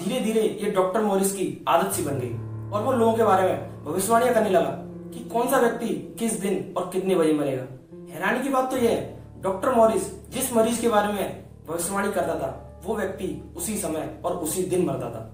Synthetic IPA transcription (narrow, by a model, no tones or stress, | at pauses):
d̪ʱiːɾed̪ʱiːɾejeɖɔːk̚ʈəɾmɔːɾiːskia̰ːd̪ət̪sibɐ̃nd̪ḛiɔːɾʋoloːɡõkebaːɾemẽ | bʱɐʋɪʃmaːɽ̃ijãkɐnilɐɡa̰ | kikɔːnsaʋjək̚t̪ikɪsd̪ɪnɔːɾkɪt̪nebɐɾimɐlḛːɡa̰ː | ɦɛːɾaːnikibaːt̪̚ːojeɦɛ | ɖɔːk̚ʈəɾmɔːɾisd͡ʒɪsmɐɾiːd͡ʒkebaːɾemẽ | bʱɐʋɪʃmaːɽ̃ikɐɾd̪aːt̪ʰa̰ | ʋoʋjɐk̚t̪iʊsisɐməjɔːɾʊsid̪ɪnmɐɾd̪a̰ːt̪ʰa̰ː